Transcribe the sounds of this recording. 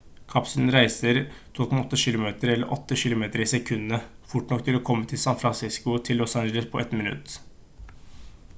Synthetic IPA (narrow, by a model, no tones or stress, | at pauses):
kʰɑpsln̩ɾæɪsəɾt̪ʰuːkʰɔmɑɔt̪ːəʃɪlʊmeːt̪əɾɛlːə̰ɾʔɔt̪ːəʃɪlʊmeːt̪əɾɪsɛkʰʉnːə | fʊʈnɔkt̪ʰɪlɔːkʰɔmːət̪ʰɪlsɑnfɾɑnsɪskʊt̪ʰɪlːɔsɑnd͡ʒɛləspʰɔʔɛt̪mɪnʉ̰t̪ː